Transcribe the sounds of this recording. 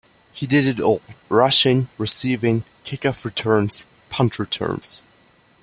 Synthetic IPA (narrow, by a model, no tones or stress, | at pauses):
hidɨɾɨɾɔlˠɹʌʃɪ̃ŋɹɨsivɪ̃ŋ | kʰɪkʌpɹɨtʰɜ̃˞nz̥ | pʰʌ̃ntʰɹ̥ətʰɜ̰̃˞nz̥